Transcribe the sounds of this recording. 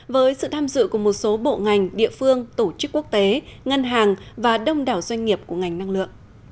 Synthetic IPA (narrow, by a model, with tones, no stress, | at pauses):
vəː˨˦jsɨ̰˧˨t̪ʰaː˧mzɨ̰˧˨ku˧˩əmo˨˩t̚so˨˦ɓo̰˧˨ŋa˨˩jŋ̟ɗḭ˧˨əfɨ˧əŋt̪o˧˩t͡ɕɨ˦˥kːu˦˥ək̚t̪e˨˦ŋə˧nɦaː˨˩ŋvaː˨˩ɗə˧wŋ͡mɗaː˨˩wzwa˧jŋ̟ŋi˨˩əp̚ku˧˩əŋa˨˩jŋ̟na˧ŋlɨ̰˧˨əŋ̚